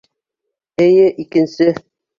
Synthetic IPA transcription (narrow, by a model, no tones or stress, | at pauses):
ɘ̆jɘʔikɘ̆nsɘ